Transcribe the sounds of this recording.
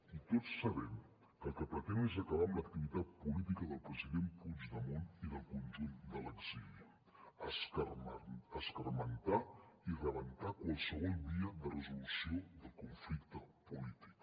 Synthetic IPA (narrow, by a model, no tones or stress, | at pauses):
it̪ot͡sːəβɛm | kəlˠkəpɾət̪ɛnezəkəβaəmlək̚t̪iβit̪at̪̚pulit̪ikəðəlˠpɾəziðempud͡ʒðəmoniðəlˠkunʲʒund̪ələɡz̥iliə | əskərmənt̪airəβənt̪akwalˠsəβ̞ɔlˠdiəðərəzulusioðəlkuɱflikt̪əpulit̪i̥k